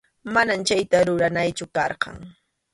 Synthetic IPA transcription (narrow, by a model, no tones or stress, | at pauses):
manamt͡ʃajt̪aɾʊɾanajt͡ʃʊkɑɾqɑ̰ŋ